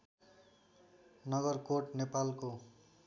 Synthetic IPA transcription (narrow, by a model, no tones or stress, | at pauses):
nʌɡʌrkoʈnepalko